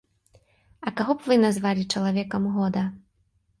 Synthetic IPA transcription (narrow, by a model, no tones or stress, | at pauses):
ɐkaɣɔbvɨnazvalʲit͡ʂɐlˠavʲɛkɐmɣɔd̪ɐ